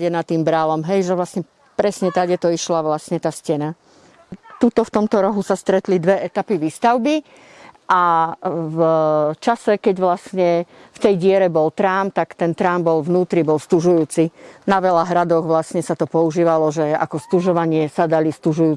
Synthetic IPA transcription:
ɛnat̪ːiːmbɾalɔmɦɛjʒɛʋlasɲɛ | pɾɛsɲɛt̪aɟjɛt̪ɔiʃlaʋlasɲɛt̪aːscɛna | t̪ut̪ɔft̪ɔmt̪ɔɾɔɦusast̪ɾɛt̪lid̪ʋɛʔɛt̪apiʋiːst̪aʊbi | ʔa | vt͡ʃasɛkɛɟʋlasɲɛft̪ɛjɟɪɛɾɛbɔlt̪ɾaːmt̪akt̪ɛnt̪ɾambɔlʋnuːt̪ɾibɔlst̪uʒujuːt͡sinaʋɛlaɦɾad̪ɔɣʋlasɲɛsat̪ɔpɔuʒiːʋalɔʒɛa̰kɔst̪uʒɔʋaɲɪɛsad̪alist̪uʒujuː

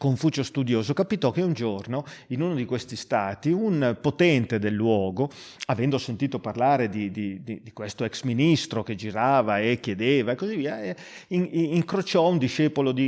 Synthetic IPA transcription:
koɱfuːt͡ʃost̪ud̪joːzokapit̪ɔkːeund͡ʒornoinunod̪ikwest̪ist̪aːt̪iunpot̪ɛnt̪ed̪elːwɔːɡo | avɛnd̪osent̪iːt̪oparlaːɾed̪id̪id̪id̪ikwest̪oɛksminist̪ɾoked͡ʒiɾaːvaekjed̪eːvaekːozivːiːae | iŋiŋkɾot͡ʃɔund̪iʃɛːpolod̪i

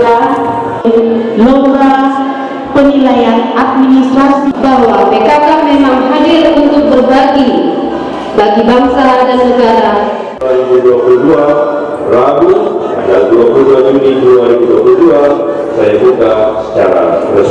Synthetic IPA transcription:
a | loɾa | pənilajanat̪̚minist̪ɾasibawamekakanmemaŋɦadirunt̪ʊk̚bərbaɡi | baɡibaŋsadanːəɡaɾa | aɾibuduapuludua | rabu | adaduapluluaniɡiduaɾibuduapuludua | sajabukasə̥t͡ʃaɾa̰rə

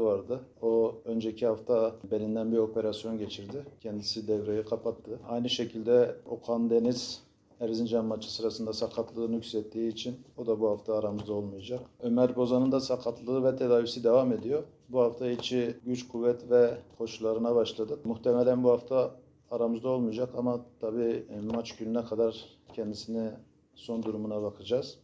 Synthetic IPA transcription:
vaɾd̪ɯo̞ø̞nd͡ʒɛcʰihaft̪ʰabe̞nind̪ænbiɾo̞pʰe̞ɾasijo̞nɟe̞t͡ʃʰiɾd̪icʰɛnd̪isid̪ɛvɾejikʰapʰat̪ʰːɯajnɯʃecʰilʲd̪ɛo̞kʰand̪e̞niz̥ | æɾzind͡ʒɛmːat͡ʃʰɯ̥sɯɾasɯnd̪asaqʰat̪ʰlˠɯnycslɛt̪ːiːiːt͡ʃʰino̞d̪abuhaft̪ʰaːɾamɯzao̞lˠmujad͡ʒaqø̞mæɾbo̞zanɯnd̪asakʰat̪ʰlˠɯɯvɛt̪ʰed̪aːvisid̪evame̞d̪ijo̞ | buhaft̪ʰait͡ʃʰiɟyt͡ʃkʰuvːɛt̪ʰvɛkʰo̞ʃulˠaɾɯnaβaʃlˠad̪ɯkmuht̪ʰemɛlʲænbuhaft̪ʰaː | ɾamɯzd̪ao̞lˠmujad͡ʒakʰamat̪ʰabiːmat͡ʃɟynynɛkʰad̪aɾ | cʰɛnd̪isini | so̞nd̪uɾumunabakʰad͡ʒaz̥

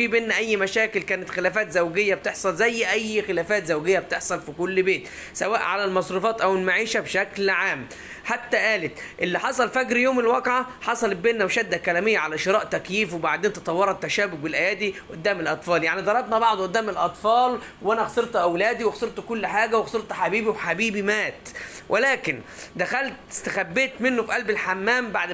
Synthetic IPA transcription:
iːbenːæʔæjːmæʃæːkɪlkæːnɪt̪xelæːfæːt̪zæwɡejːæb̚t̪eħsˤɑlzæjːʔæjːxɪlæːfæːt̪zæwɡejːæb̚t̪eħsˤɑlfikʊlːbeːt̪ | sæwæːʔʕa̰lælmɑsˤɾˤufɑːt̪ʔæwelmaʕiːʃæbʃæklʕaːm | ħat̪ːæʔæːlet̪ʔelːiħɑsˤɑlfæɡɾjoːmɪlwɑːqʕaħɑsˤɑl̚beːnːæwʃæd̪ːækælæːmɪjːæʕalæʃeɾˤɑːʔt̪ækjiːfwebaʕd̪eːnt̪e̥t̪ˤɑwːɑɾˤɑt̪ːæʃæːbʊk̚bɪlʔæjæːd̪iʔʊd̪ːæːmɪlʔɑt̪ˤfɑːljaʕnid̪ˤɑɾˤɑbnɑbɑʕd̪ˤʔʊd̪ːæːmɪlʔɑt̪ˤfɑːlwʔænæɣɑseɾt̪ʔæwlæːd̪iwexseɾt̪kʊlːħaːɡæwexɑseɾt̪ħabiːbiwħabiːbimæːt̪wʔelæːkɪnd̪æxælt̪ɪst̪æxæbːeːt̪mɪnːofiʔælbɪlħamːæːmbaʕd̪

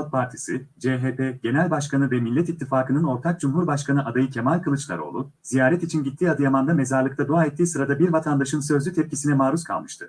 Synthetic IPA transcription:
t̪̚pʰaɾt̪ʰi̥sid͡ʒeɦeːpʰeɟe̞nælʲbaʃkanɯvɛmilʲːɛt̪it̪ʰːifaːkɯnɯno̞ɾt̪ʰak̚d͡ʒumɦuɾbaʃkanɯʔad̪ajɯcʰe̞malʲkʰɯlˠɯt͡ʃlˠa̰ɾo̞̰ːlˠu | z̥ijaːɾɛt̪it͡ʃʰinɟit̪ʰːiːad̪ɯjamand̪ame̞zaɾlˠɯk̚t̪ʰad̪uaːɛt̪ʰːiːsɯɾad̪abiɾvat̪ʰand̪aʃɯnsø̞zlʲyt̪ʰɛp̚cisinɛmaːɾuskʰa̰lˠmɯʃt̪ʰɯ̰

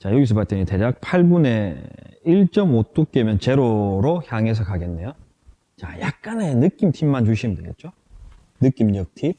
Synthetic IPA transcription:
t͡ɕajoɡis̬ʰʌpaɭt͈eɲite̞ɾak̚pʰaɭbune̞iɭt͡ɕ͈ʌmot͈ok̚k͈emjʌnt͡ɕe̞ɾoɾoçjaŋe̞s̬ʰʌkaɡe̞nːe̞jo | t͡ɕajak̚k͈anenɯk͈imtʰimːant͡ɕuɕʰindeɡe̞̰t̚t͡ɕ͈o | nɯk͈imɲʌk̚tʰip̚

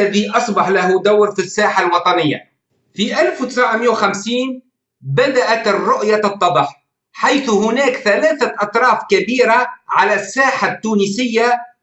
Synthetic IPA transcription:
aðiʔɑsˤbɑħlahd̪awɾfisːaːħalwɑt̪ˤɑnɪjːa̰ | fiʔalfwt̪ɪsʕmɪjawxamsiːn | bad̪aʔat̪rːʊʔjaɨt̪ˤːɑbɑħ | ħajθhʊnaːkθalaːθaʔɑt̪ˤɾˤɑːfkabiːɾaʕalasːaːħat̪ːuːnisɪjːa

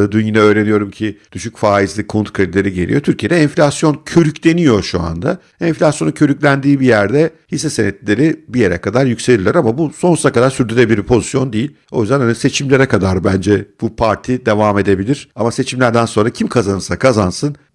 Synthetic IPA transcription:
d̪ynjinɛø̞ːɾe̞nijo̞ɾumcʰid̪̥yʃycfaːizlʲikʰunt̪kʰɾed̪ilʲe̞ɾiɟe̞lʲḭjo̞t̪ʰyɾcʰijed̪ɛɛnfʲlʲasjo̞ncʰøɾyclʲe̞nijo̞ʃua̰nd̪a | ɛnflʲasjo̞nuncʰø̞ɾycʲlʲænd̪iːbijæɾd̪ɛhisɛsenɛt̪lʲe̞ɾibije̞ɾɛ̰kad̪aɾjycse̞lʲilʲːiɾamabuso̞nsu̥t̪ʰakad̪aɾsyɾd̪yɾʲebiliɾipʰo̞zisjo̞nd̪ejilʲ | o̞jyzd̪ænhanise̞t͡ʃʰimlʲe̞ɾɛkad̪aɾbænd͡ʒɛb̥upʰaɾt̪ʰid̪e̞vaːme̞d̪e̞bilʲiɾ̥amase̞t͡ʃʰimlʲæɾd̪ænso̞nɾacʰimkʰazanɯɾsakʰazansɯn

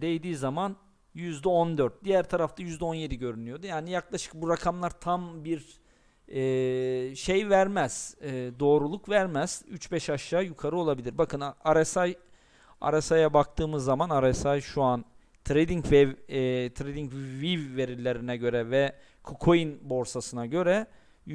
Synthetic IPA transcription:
d̪ejd̪iːzaman | jyzd̪ɛond̪øɾt̪̚d̪ijæɾt̪ʰaɾaft̪ʰajyzd̪ɛo̞nje̞d̪iɟø̞ɾynyjo̞d̪ujaːnijaklˠaʃɯ̥k̚buɾakʰamlˠaɾt̪ʰambiɾ | ɛ | ʃejvæɾmæz̥ɛːd̪o̞ːɾulˠukvæɾmæz̥yt͡ʃbɛʃaʃːaːjukʰaɾɯo̞lˠabilʲiɾbakʰɯnaɾɛsaj | a̰ɾasajabak̚t̪ʰɯːmɯzːamanaɾɛsajʃuan | t̪ʰɾed̪iŋcvɛt̪ʰɾed̪iŋcvvivːe̞ɾilʲːe̞ɾinɛɟø̞ɾɛvɛ | kʰokʰojinbo̞ɾsasɯnaɟø̞ɾɛ

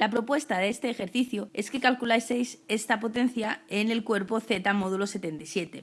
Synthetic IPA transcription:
lapɾo̞pwe̞st̪aðeest̪e̞ːxe̞ɾθiθjue̞ske̞kalkulajse̞jse̞st̪apo̞t̪e̞n̟θjaene̞lkwe̞ɾpo̞θe̞t̪amo̞ðulo̞se̞t̪e̞nt̪ajsje̞t̪e̞

